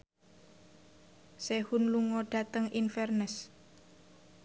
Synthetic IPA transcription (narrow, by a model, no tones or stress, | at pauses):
sehunluŋɔɖ̥ä̤t̪əŋinfɛrnəs